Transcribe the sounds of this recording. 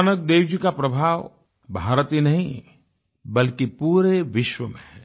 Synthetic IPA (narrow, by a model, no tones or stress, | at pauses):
nək̚d̪eːwd͡ʒikapɾɐbʱaːʋ | bʱaːɾət̪ɦinɐɦĩ | bɐlkipuːɾeʋɪʃwəmḛ̃ɦɛː